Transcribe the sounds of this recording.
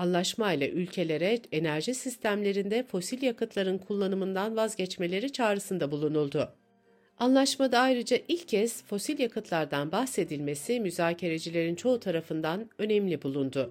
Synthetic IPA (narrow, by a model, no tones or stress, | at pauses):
anlˠaʃmajlʲˠa̰ʔylʲcʰe̞lʲe̞ɾɛenæɾʒisist̪ʰæmlʲe̞ɾind̪ɛfo̞silʲjakɯt̪ʰlˠaɾɯnkʰulˠːanɯmɯnd̪anvazɟɛt͡ʃme̞lʲe̞ɾit͡ʃʰaːɾɯsɯnd̪abulˠunulˠd̪ʊ | anlˠaʃmad̪aajɾɯd͡ʒaʔilʲcʰːɛsfo̞silʲjakɯt̪ʰlˠaɾd̪anbaxse̞d̪ilʲme̞simyzaːcʰe̞ɾe̞d͡ʒilʲe̞ɾint͡ʃʰo̞ut̪ʰaɾafɯnd̪anø̞nɛmlʲibulˠund̪ʊ